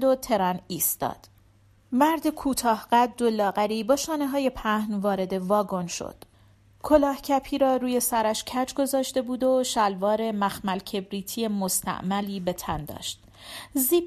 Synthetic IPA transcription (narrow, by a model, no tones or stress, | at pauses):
d̪o̞t̪ʰe̞ɾɒniːst̪ɒ̰ːd̪̥ | mæɾd̪ekʰuːt̪ʰɒːhɢæd̪d̪o̞lɒːɣæɾiːbɒːʃɒːne̞ɦɒːje̞pʰæhnvɒːɾe̞d̪e̞vɒːɡo̞nʃo̰d̪̥ | kʰo̞lɒːhcʰæpʰiːɾɒːɾuːje̞sæɾæʃcʰæd͡ʒɡo̞zɒːʃt̪e̞buːd̪o̞ʃælvɒːɾe̞mæxmælcʰe̞bɾiːt̪ʰije̞most̪ʰæ̰ʔmæliːbe̞t̪ʰænd̪ɒ̰ːʃt̪̚ | ziː